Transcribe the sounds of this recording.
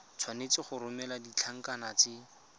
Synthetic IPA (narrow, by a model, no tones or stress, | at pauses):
t͡sʰwanet͡sɪχʊrʊmɛladit͡ɬʰaŋ̩kanat͡sɪ